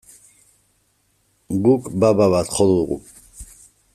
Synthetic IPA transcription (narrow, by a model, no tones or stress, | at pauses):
ɡukʼbababat̪χɔluɣṵ